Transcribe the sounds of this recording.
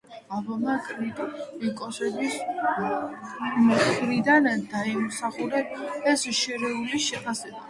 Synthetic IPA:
avɔmakʰʼɾit̪ʼikʼɔsɛbis | mɾid̪and̪aimusaχuɾɛːsʃɛɾɛuliʃɛpʰasɛba

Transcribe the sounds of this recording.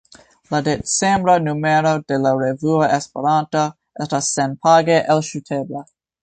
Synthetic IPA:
ladet͡sembɾanumeɾo̞delaɾevuoʔespeɾanto | estasːenpʰaɡeʔelʃutʰebla

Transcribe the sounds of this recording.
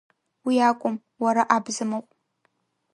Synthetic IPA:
wiaːkʷʼʊm | wɐɾɐʔaːbzɨmɨqʼ

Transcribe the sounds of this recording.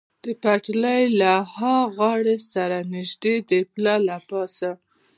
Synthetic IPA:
d̪̥əpaʈləjlahɑɣɑɽesaɾanɪʒd̪ed̪əplɑlapɑsa

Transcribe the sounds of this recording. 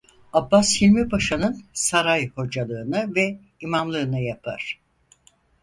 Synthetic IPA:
abːashilʲmibaʃanɯnsaɾajho̞d͡ʒalˠɯːnɯvɛ | imamlˠɯːnɯjapʰa̰ɾ̥

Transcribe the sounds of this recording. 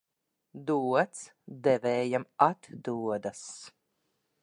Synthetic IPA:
d̪uɔt̪s | d̪ɛvɛːjamat̪d̪uɔd̪as

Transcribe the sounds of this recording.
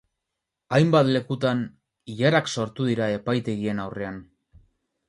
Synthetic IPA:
ajmbat̪le̞kut̪an | iʎaɾakso̞ɾt̪uðiɾae̞pajt̪e̞ɣie̞nawre̞an

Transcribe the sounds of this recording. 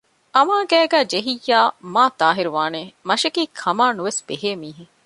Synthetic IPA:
ʔɐmaːɡæːɡæːd͡ʒeɦijːaːmaːt̪aːɦiɾuʋaːneːmɐʃɐkiːkʰɐmaːnuʋesb̥eɦeːmiːɦe

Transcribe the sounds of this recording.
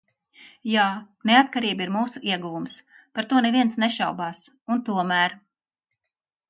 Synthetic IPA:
jaːneat̪̚kaɾiːbiɾmuːsuʔiɛɡuvums | paɾt̪uɔneviɛnsneʃawbaːs | unt̪uɔmæːɾ

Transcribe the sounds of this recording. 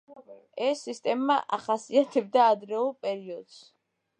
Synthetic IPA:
ɛsːist̪ʼɛmːaʔaχasiat̪ʰɛb̚d̪aːd̪ɾɛulˠpʼɛɾiɔd̪s

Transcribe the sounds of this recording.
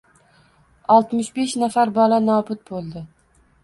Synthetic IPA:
ɒlˠt̪mɪʃbe̞ʃnafaɾbɒlanɒbʊt̪̚bolˠd̪ɪ

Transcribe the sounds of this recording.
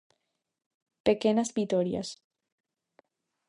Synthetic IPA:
pekenazbit̪oɾja̰s

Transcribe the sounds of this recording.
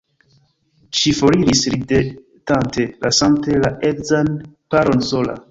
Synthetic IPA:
ʃifoɾiɾisɾide | tantelʔasaŋtelaʔekzanpaɾo̞nsola̰

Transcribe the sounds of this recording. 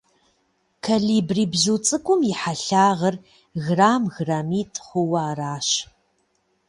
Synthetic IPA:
kʰaɮiːbriːbzut͡sʼɨkʷʼʊmjɪħaɬaːʁɐr | ɣraːmɣraːmiːtʰχʷʊwɐːraːɕ

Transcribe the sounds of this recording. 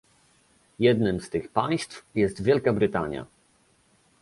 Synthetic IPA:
jɛd̪nɘmst̪ɘxpaj̃st̪fjɛst̪vʲjɛlkabɾɘt̪aɲja̰

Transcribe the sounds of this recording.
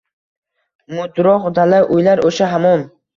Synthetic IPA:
mʊd̪ɾɒqd̪alaʔʊjlaɾʔoʃaɦamɒn

